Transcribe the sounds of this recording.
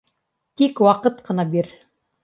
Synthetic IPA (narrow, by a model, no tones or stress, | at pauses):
t̪ikwɑqɤt̪qɤ̆nɑbiɾ